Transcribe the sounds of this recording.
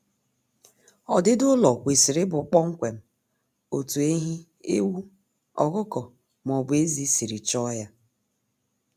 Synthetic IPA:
ɔ˨dɪ˦dʊ˦lɔ˨kʷe˨si˨ɾɪ˦bʊ˨˦k͡pɔ˦ŋ̩˦kʷe˨m̩˦ | o˨tu˨e˦ɦi˦ | ḛ˦wu˦ | ɔ̰˨kʊ˦kɔ˨ | m˨ɔ˨bʊ˨e˦zi˨˦si˨ɾi˨t͡ʃɔ˦ja˦

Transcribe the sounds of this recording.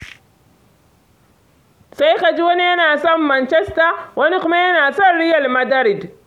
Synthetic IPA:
sa˦jka˨d͡ʒi˦wɐ˦ni˦jɐ˦naː˨sɐ˦mːɐ˨nt͡ʃɛ˦sta˨wɐ˦ni˦kʊ˦ma˦jɐ˦naː˨sɐ˦˨nɾɪ˦jɐ˨lmɐ˦dɐ˦ɾɪ˨d

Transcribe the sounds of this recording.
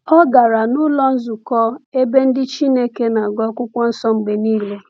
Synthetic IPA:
ɔ˦ɡa˨ɾa˨nʊ˦lɔ˦n̩˦zʊ˨kɔ˦e˦be˦n̩˦dɪ˦t͡ʃi˦ne˦ke˦na˨ɡɔ˦kʷʊ˦kʷɔ˦n̩˦sɔ˦ŋ͡m̩˨ɡ͡be˨niː˦le˦

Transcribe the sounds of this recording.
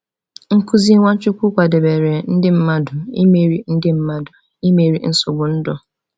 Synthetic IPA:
ŋ̩˦kʊ˦zi˦ŋʷa˦t͡ʃʊ˦kʷu˦kʷa˨de˨be˨ɾe˨n̩˦dɪ˦m̩˦ma˦dʊ˨ḭ˦me˨ɾi˦n̩˦dɪ˦m̩˦ma˦dʊ˨ | i˦me˨ɾḭ˦n̩˦sʊ˨ɡ͡bʊ˨n̩˦dɔ˦

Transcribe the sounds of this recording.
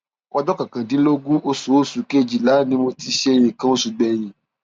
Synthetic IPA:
ɔ˧dɔ˦kã˨kã˨dĩ˨˦lo˦ɡũ˦o˦su˨˦o˦su˨ke˦˨d͡ʒi˨la˨˦nĩ˧˦mo˧ti˧ʃe˦˧˨j̃ĩ˨kã˦o˦su˨˧ɡ͡bɛ˨j̃ĩ˨

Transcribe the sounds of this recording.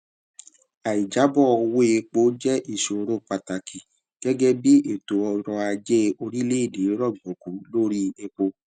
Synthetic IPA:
a˨i˨d͡ʒa˨˦bɔ˦˨˧we˦e˧k͡po˨˦d͡ʒɛ˦ʔi˨ʃo˨ɾo˦k͡pa˨ta˨ki˨ | ɡ̥ɛ˦ɡɛ˦bi˦ʔe˨to˨ɔ˧ɾɔ˧a˧d͡ʒe˦o˧ɾi˦le˦i˦˨de˨˦ɾɔ˦˨ɡ͡bɔ̃˨ku˨˦lo˦ɾi˦e˧k͡po˧

